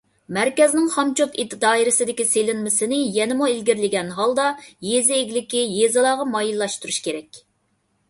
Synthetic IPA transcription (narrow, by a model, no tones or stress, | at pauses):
mæɾkʲɛznɪŋχɑmt͡ʃʰot̪it̪d̪ɑːiɾɪsɪd̪ɪkʲiselɪnmɪsɪnɪjɛnɪmuelɡʲiɾlɪɡʲɛnɦɑlˠd̪ɑjezɪːɡʲlɪkʲijezɨlˠɑːʁɑmɑjilːɑʃt̪uɾuʃkʲeɾɛkʲ